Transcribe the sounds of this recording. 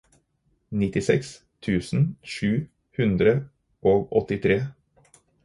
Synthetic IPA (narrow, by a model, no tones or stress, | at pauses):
nɪt̪ɪsɛks | t̪ʰʉːsn̩ʃʉː | hʉnd̪ɾə | ʔoːɡɔt̪ɪt̪ʰɾeː